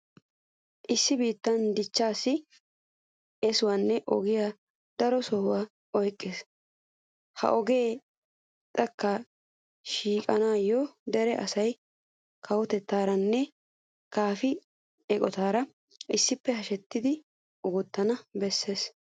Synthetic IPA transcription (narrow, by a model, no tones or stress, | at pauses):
ʔɪsːɪbiːt̪ːɐnd̪ɪt͡ʃːaːsːɪ | ɛsʊwanːɛʔɔɡɪja | d̪̥ɐɾɔsoːwaː | ɔjkʼːes | hɐ̰ʔɔɡe̞ː | t̪ʼɐkːɐ | ʃiːkʼɐnaːjːɔd̪ɛɾɛʔɐsɐj | kʰɐwɔt̪ɛt̪ːaːɾɐnːɛ | kaːfɪ | ɛkʼɔt̪aːɾɐ | ʔɪsːɪpːɛɦɐʃɛt̪ːɪd̪ɪ | ʔɔɡɔt̪ːɐnɐbɛsːeːs